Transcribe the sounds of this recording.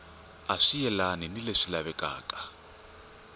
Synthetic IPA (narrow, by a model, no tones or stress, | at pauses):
aʂijɛlaninileʂilaβɛkʼa̰ːkʼḁ